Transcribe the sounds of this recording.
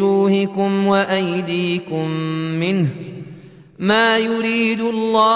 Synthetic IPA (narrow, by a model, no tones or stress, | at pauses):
uːhɪkʊmwaʔajd̪iːkʊmːɪnh | maːjʊɾiːd̪ʊlˤːɑː